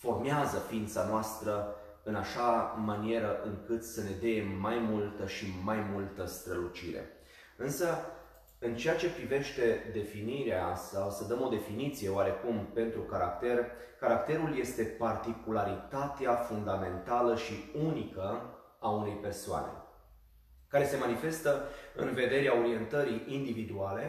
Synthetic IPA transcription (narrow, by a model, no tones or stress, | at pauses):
fo̞rmeazəfiint̪sanoast̪ɾə | ɨnaʃamanie̞ɾəʔɨŋkɨt̪səne̞d̪eeːajmult̪əʃimajmult̪əst̪ɾəlut͡ʃiɾḛ | ɨnsə | ɨnt͡ʃe̞jat͡ʃe̞pɾive̞ʃt̪e̞d̪e̞finiɾea̰sawsəd̪əmo̞d̪e̞finit̪sije̞oaɾe̞kumpe̞nt̪ɾukaɾa̰kt̪e̞r | kaɾakt̪e̞ɾulje̞st̪e̞part̪ikulaɾit̪at̪eafund̪ame̞nt̪aləʃiunikə | aune̞jpe̞rsoa̰ne̞̰ | kaɾe̞se̞manife̞st̪əɨ̰nve̞d̪e̞ɾeao̞ɾie̞nt̪əɾiʔind̪ivid̪uale̞